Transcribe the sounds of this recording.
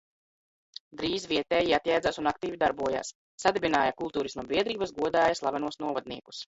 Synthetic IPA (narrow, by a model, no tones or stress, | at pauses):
d̪ɾiːzviɛt̪ɛːjiat̪jajd̪zaːsunakt̪iːvid̪aɾbuɔja̰ːsː | ad̪ebʲinaːjakulˠt̪uːɾisnuɔbiɛd̪ɾiːbasɡuɔd̪aːjaslˠa̰vanuɔsnuɔvad̪niɛku̥s